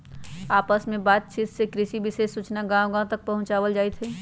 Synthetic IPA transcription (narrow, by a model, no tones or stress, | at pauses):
aːpəsmẽbaːt̪̚t͡ʃʰɪt̪sekɾɪʃibɪseːsːut͡ʃnaɡãw̃ɡãt̪ək̚pəɦʊ̃t͡ʃaːʋəld͡ʒaːjt̪ɦɛ